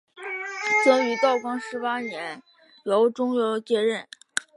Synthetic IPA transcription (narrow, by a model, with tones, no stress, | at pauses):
t͡sɤ˥ŋy˧˥t̪ɑ˥˩ʊkwɑ˥ŋʂɻ̩˧˥pa˥njɛ˧˥n | jo˧˥ʊʈ͡ʂʊ˥ŋjo˧˥ʊt͡ɕjɛ˥ɻə˥˩n